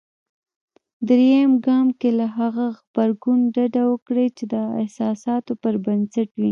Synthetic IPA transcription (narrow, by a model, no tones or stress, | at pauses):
d̪ɾejamɡɑmkelaɦaɣaɣbaɾɡunɖaɖawəkɽet͡ʃed̪əɪ̰hsɑsɑt̪opəɾbansaʈwi